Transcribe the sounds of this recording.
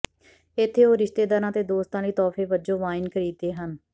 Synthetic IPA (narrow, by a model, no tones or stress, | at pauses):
ɪt̪ʰːeːoːɾɪʃt̪eːd̪aːɾãːt̪eːd̪oːst̪ãːliːt̪ɔːfeːʋəd͡ʒõːʋaːɪnkəɾiːd̪eːɦən